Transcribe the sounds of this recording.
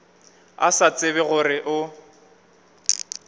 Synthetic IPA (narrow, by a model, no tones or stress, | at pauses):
a̰sat͡sʼɪβɛɣʊrɪʔʊ